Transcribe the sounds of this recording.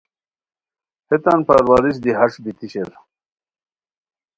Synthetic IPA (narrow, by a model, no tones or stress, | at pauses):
het̪anpaɾwaɾiɕ̬d̪iɦɐʂbit̪iɕeɾ